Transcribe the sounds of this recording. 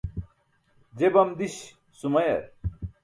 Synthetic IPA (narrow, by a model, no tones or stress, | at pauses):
d͡ʑebɐmd̪iɕ | sumɐjɐ̰ɾ